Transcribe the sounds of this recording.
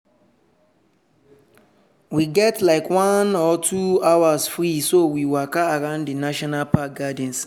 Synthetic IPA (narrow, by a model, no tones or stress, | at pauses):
wiɡɛtlaɪkwãnɔtʰuawasfɹisowiwakaːɹãʊ̃ndənaʃɔnalpak̚ɡad̃n̩s